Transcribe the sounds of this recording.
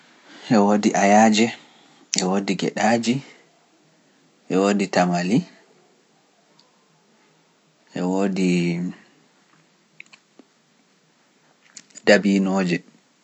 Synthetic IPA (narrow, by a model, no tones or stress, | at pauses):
ʔɛwodiʔajaːd͡ʒɛ | ɛwodiɡɛ̰ɗaːd͡ʒi | ʔɛwoːditamali | ʔɛwoːdi | dabiːnoːd͡ʒɛ